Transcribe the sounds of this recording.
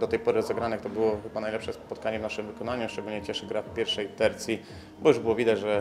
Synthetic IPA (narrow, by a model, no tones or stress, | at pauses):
d̪ɔt̪ɛjpɔɾɘzɛɡɾanɛkt̪ɔbɘwɔxɘbanajlɛpʂɛspɔt̪̚kaɲɛvnaʂɘmvɘkɔnaɲuʂt͡ʂɛɡulɲɛt͡ɕɛʂɘɡɾafpʲjɛɾfʂɛjt̪ɛɾt̪sʲi | bɔjuʐbɘwɔvʲid̪ad͡ʑʐɛ